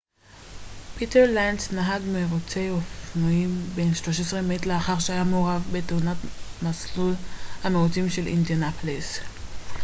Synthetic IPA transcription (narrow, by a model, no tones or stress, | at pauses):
piteʁlansnaɦaɡmeʁot͡sejofnoimbenʃlo̞ʃ̬esʁemetleaχaʁʃeajamoʁavbeteunatmaslulhameut͡simʃelḭndianapʰles